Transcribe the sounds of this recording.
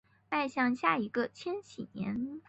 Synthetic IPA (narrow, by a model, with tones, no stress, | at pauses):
t̪a˥˧ɪɕjɑ˥˧ŋɕja˥˩i˧˥ɡə˧t͡ɕʰjɛ˥nt͡ɕʰi˨˩njɛ̰˧˥n